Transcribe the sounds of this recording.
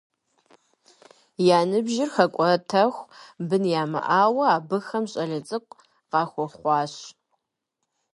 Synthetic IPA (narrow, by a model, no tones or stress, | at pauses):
jaːnɨbʒɪrxɐkʷʼɔtʰɐxʷbɨnjaːmɐ̰ʔaːwɐaːbɨxɐmɕʼɐɮɐt͡sʼɨkʷʼ | qɑːxʷɔχʷɑːɕ